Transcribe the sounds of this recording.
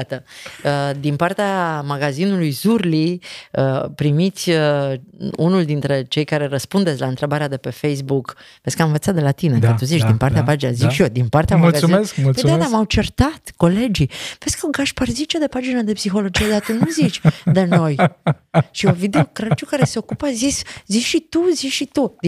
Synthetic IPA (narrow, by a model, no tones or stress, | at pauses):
at̪əəd̪inpart̪eamaɡazinulujzurliəpɾimit̪sʲə | unuld̪int̪ɾe̞t͡ʃe̞jkaɾe̞ɾəspund̪esʲlaɨnt̪ɾe̞baɾead̪e̞pe̞fejs̬buk | veskəamɨ̃ɱvət̪sat̪d̪elat̪inekət̪uzit͡ʃd̪inpaɾt̪eapad͡ʒinə̰zit͡ʃʃio̞d̪inpart̪eamɡaziskpəj̪ad̪amawt͡ʃert̪at̪ko̞le̞d͡ʒiv̥eskəoɡaʃparzit͡ʃed̪e̞pad͡ʒinəd̪e̞psixo̞lo̞d͡ʒijed̪at̪unuzit͡ʃʲd̪eno̞j | ʃiovid̪e̞okɾat͡ʃukaɾese̞o̞kupəzisʲziʃit̪uziʃit̪ud̪i